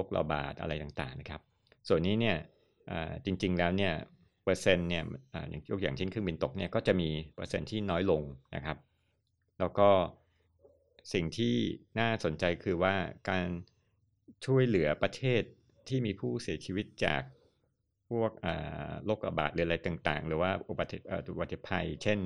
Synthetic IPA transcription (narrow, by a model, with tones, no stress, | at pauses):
loː˥˩k̚la̰˧ba̰ː˨˩t̪̚ʔa̰˧ɾa˧jt̪aː˨˩ŋt̪a̰ː˨˩ŋna˦˥kʰa˦˥p̚ | su˨˩ənːiː˦˥ni˥˩ɐ | ʔə̰ː˨˩t͡ɕi˧ŋt͡ɕi˧ŋlɛː˦˥wni˥˩ɐ | pɤː˧se˧nːi˥˩ɐʔə̰ː˨˩ja̰ː˨˩ŋjo˦˥k̚jaː˨˩ŋt͡ɕʰe˥˩nkʰɯ˥˩ŋbi˧nt̪o˨˩k̚ni˥˩ɐkɔː˥˩t͡ɕa˨˩ʔmiː˧pɤː˧se˧nt̪ʰiː˥˩nɔː˦˥jlo˧ŋna̰˦kʰɾa˦˥p̚ | lɛː˦˥wkɔː˥˩ | si˨˩ŋt̪ʰiː˥˩naː˥˩so˨˩˦nt͡ɕa˧jkʰɯː˧waː˥˩kaː˧n | t͡ɕʰu˥˩əjlɯ˩˦ɐpɾa˧t̪ʰeː˥˩t̪ʰː | iː˥˩miː˧pʰuː˥˩si˨˩˦t͡ɕʰi˧wi˦˥t̪̚t͡ɕa̰ː˨˩k̚ | pʰu˥˩ək̚ʔaː˨˩loː˥˩k̚la̰˧ba̰ː˨˩t̪̚lɯː˨˩˦a˧ɾa˧jt̪aː˨˩ŋt̪a̰ː˨˩ŋlɯː˩˦waː˥˩ʔu˨˩ba˨˩t̪ʔəː˨˩u˨˧˩ba˨˩t̪ʰːe˨˩pʰːa˧jt͡ɕʰe˥˩n